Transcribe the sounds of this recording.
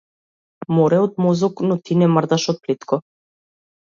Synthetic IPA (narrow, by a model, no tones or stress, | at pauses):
mɔɾɛɔd̪mɔzɔknɔt̪inɛmrd̪aʃɔt̪̚plit̪kʰɔ